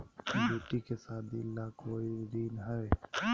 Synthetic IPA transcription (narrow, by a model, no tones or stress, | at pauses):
bʱuːʈikesaːd̪iɪlːaːkoːiɾiːnɦəeː